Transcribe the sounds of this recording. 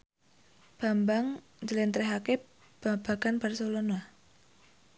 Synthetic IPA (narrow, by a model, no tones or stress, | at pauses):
b̥a̤mbaŋ | d͡ʒəlent̪ɾeɦake | b̥ab̥aɡ̥anbarsolona